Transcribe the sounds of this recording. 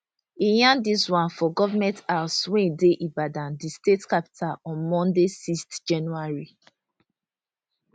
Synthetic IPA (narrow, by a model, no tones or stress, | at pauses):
ijãndiswãnfɔɡɔvamɛ̃ntaswɛ̃deʔibadãndistetkapi̥tʰalɔ̃nmɔ̃ndesistd͡ʒãnuaɹi